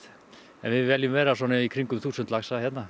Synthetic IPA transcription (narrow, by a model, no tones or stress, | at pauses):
ɛ̰nvɪðvɛljʏmvɛːɾasɔːnɪikʰɾiŋkʏmθuːsʏnt̪laxsaçjɛt̪na